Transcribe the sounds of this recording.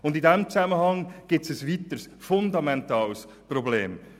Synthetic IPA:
ʊndɪdɛmt͡sæməhɑŋɡ̥ɪt͡sɛsvit̪əɾs | fʊnd̪ɑmɛntɑːls | probleːm

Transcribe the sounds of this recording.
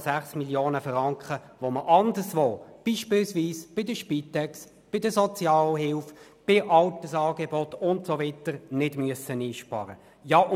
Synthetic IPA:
sæχsmiljoːnəfrɑŋkχə | ʋoməʔɑnd̪əɾsʋoːb̥iːʃpɪlsʋiːsb̥ɪdəʃpit̪ɛks | b̥ɪdəsɔt͡sjɑːlɦɪlf | b̥ɪʔɑltəsɑːɡebɔt̪ʊnt̪sovitəɾnɪdmyəsəniːʃpɑ̰ɾə̰ | jɑ

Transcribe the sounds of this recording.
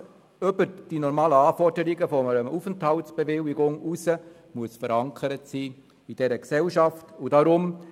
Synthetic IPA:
øbəɾd̥inɔɾmɑːləɑːfɔrdəɾiɡəfɔəɾəufənthɑltsb̥evɪwɪɡʊŋusə | muəsfəɾɑŋkʰəɾətsiː | id̥ɛɾəksɛwʃɑftudɑɾʊm

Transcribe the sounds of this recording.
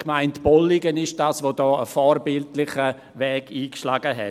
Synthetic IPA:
kmaɪntb̥ɔlɪɡənɪʃd̥aːsvodɔːəfɔːɾbɪltlɪχə | vɛːɡiːkʃlaːɡəɦɛ̰

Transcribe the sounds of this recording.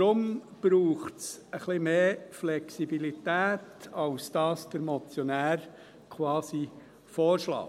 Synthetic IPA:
ɾʊmb̥ɾuːχtsəχlimeːflɛksibilit̪æːtɑwsd̥ɑːsd̥əɾmɔt͡sjɔnæːɾ | kʰwɑːsi | fɔːɾʃlɑ̰ː

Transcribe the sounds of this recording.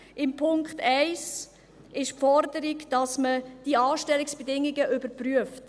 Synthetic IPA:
ʔɪmpʰʊŋkχtɛɪs | ʔɪʃpfɔɾdəɾiɡd̥ɑsməd̥iɑːʃtɛliksb̥edɪŋːiɡəʔʏbəɾpryəft

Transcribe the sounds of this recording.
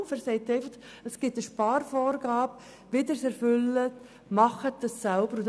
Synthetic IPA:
fæɾsɛɪt̪ːɛɪfɑχ | əsɡ̥ɪtəʃpɑːɾfɔːɾɡɑːb | ʋɪdəɾsɛɾfʏlːət | mɑχət̚d̥ɑssɛlbəɾut

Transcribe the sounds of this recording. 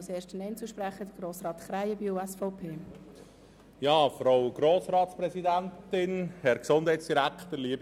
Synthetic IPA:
seːʃtənɛɪnt͡suʃpɾɛχəd̥̪əɡ̥ɾoːsʁɑːt̪χɾaɪəbiuːɛsfɔʊpʰeː | jɑːfɾoʊɡ̥ɾoːsɾɑːt̪spɾɛsidæntɪnhɛɾksʊnd̥hɛɪtsd̥iɾækχt̪əɾliəb

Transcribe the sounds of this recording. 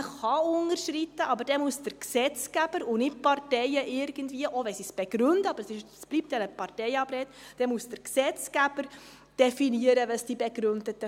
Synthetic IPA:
χɑʊnəɾʃrit̪ːəʔɑbəɾd̥ɛmuəsd̥əɾksɛt͡sɡ̥æb̥əɾʊnɪtpɑrtɛɪəʔɪɾɡ̥əndviːəʔoʋɛnsisb̥ɛɡ̥ɾʉndəɑb̥əɾsɪʃsb̥lip̚tjɑnəpɑrtɛɪɑbɾɛːt̪d̥ɛmusd̥əɾksɛt͡sɡ̥æb̥əɾ | d̥ɛfiniəɾəʋəsd̥ibɛɡɾʉnd̪ətə

